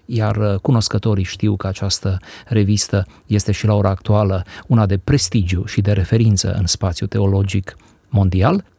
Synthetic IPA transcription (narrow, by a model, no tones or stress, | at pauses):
jarkuno̞skət̪o̞ɾiʃt̪iwkəat͡ʃast̪əɾe̞vist̪ə | je̞st̪e̞ʃilao̞ɾaːk̚t̪ualəunad̪e̞pɾe̞st̪id͡ʒjuʃid̪e̞ɾe̞fe̞ɾint̪sə̰ʔɨ̰nspat̪sjut̪e̞o̞lo̞d͡ʒik | mo̞nd̪ial